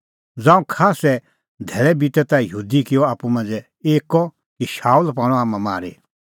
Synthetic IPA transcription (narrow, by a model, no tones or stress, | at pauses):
d͡zãːũkʰaːsɛ | d̪ʱɛːɭɛbit̪ɛt̪ajuːd̪ikɪjɔaːpumɐ̃nd͡zɛ | eːkɔ | kiʃaːulpaːɽ̃ɔ̃aːmãma̰ːɾḛ